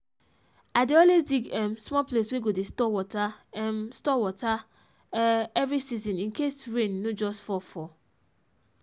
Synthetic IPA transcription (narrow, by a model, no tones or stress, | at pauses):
adeɔ̃lesdiɡɛmsmɔplesweɡodestɔwɔtaɛmstɔwɔta | ɛvɹɾisizĩnĩnkesɹẽnːod͡ʒɔstfɔfɔ